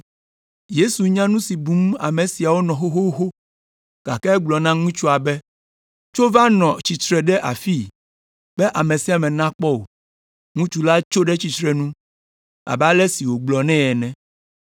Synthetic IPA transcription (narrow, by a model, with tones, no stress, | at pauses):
je˦su˨ɲã˦nũ˦si˨bu˨˦ma̰˨mẽ˨si˨a˨wo˦nɔ̃˨xo˦xo˦xo˦ | ɡ̥a˨kɛ˦ɛ˦ɡ͡blɔ˨nã˦ŋũ˦t͡ʃu˦a˨bɛ˦ | t͡ʃo˦va˦nɔ̃˨t͡ɕi˨t̪ɾɛ˨ɖɛ˦ʔa̰˨fi˦ | b̥ɛ˦ʔa˨mẽ˨si˨a˨mɛ̃˨nã˦k͡pɔ˦o̰˨ | ŋũ˦t͡ʃu˦la˦t͡ʃo˦ɖɛ˦t͡ɕi˨t̪ɾɛ˨nũ˦ | a̰˨ba˦lɛ˦si˨wo˨ɡ͡blɔ˨nɛ̃˦ɛ˨nɛ̃˨